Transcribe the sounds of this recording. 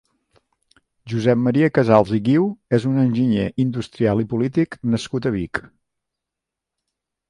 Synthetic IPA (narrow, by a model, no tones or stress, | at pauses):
ʒuzɛpməɾiəkəzalˠziɣiwezunənʲʒiɲeʔind̪ust̪ɾialˠipulit̪iknəskut̪əβik